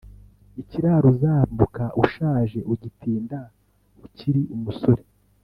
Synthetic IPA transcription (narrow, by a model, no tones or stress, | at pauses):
iciɾaɾuzaːmbukaʔuʃaːʒe̞ʔuɟitiːnda | uciɾiʔumuso̞ɾe